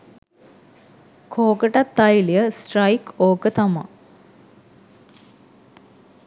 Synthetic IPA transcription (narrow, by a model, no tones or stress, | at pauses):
kʰoːkəʈat̪ːajilijəsʈrajkoːkət̪ama̰